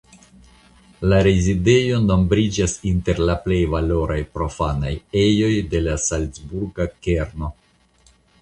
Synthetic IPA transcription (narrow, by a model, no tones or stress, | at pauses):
laɾezide̞jo̞no̞mbɾid͡ʒasinte̞ɾlaple̞jvalo̞ɾajpɾo̞fanaje̞jo̞jde̞lasalt͡sbuɾɡake̞ɾno̞